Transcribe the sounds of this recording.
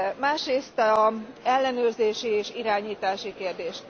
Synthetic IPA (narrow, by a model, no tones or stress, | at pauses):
maːʃreːst̪ɛlːɛnøːrzeːʃieːʃiɾaːɲiːt̪aːʃikeːrd̪eːʃ